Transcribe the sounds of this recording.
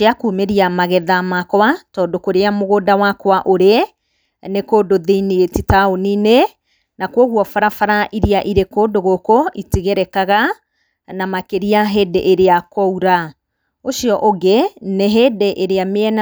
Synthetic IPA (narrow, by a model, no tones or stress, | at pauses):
eakuːmeɾiamaɣɛðamakwatɔːdokoɾeamoɣoːdawakwaʔoɾe | nekoːdoðeinietitaonine | nakwɔɣwɔfaɾafaɾaʔiɾiaʔiɾekoːdoɣokoʔitiɣeɾɛkaɣa | namakeɾiaɦeːdeʔeɾeakɔuɾa | oʃiɔʔoɡeneɦeːdeʔeɾeameɛna